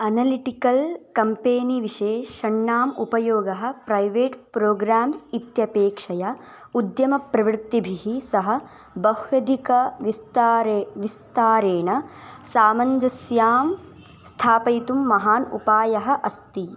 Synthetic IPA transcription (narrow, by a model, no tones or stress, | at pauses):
ɐnɐliʈikɐlkɐmpeːniʋiʃeːʃɐɳːaːmupɐjoːɡɐɦɐ̆pɾɐjʋeːʈpɾoːɡɾaːmsit̪jɐpeːkʂɐjɐ | ud̪jɐmɐpɾɐʋɾt̪ːibʱiɦisɐɦɐ̆ | bɐɦʋjɐd̪ʱikɐʋist̪ːɾʋist̪aːɾeːɳɐsaːmɐɲd͡ʒɐsjaːm | st̪ʰaːpɐjt̪umːɐɦaːnṵpaːjɐɦɐʔɐst̪i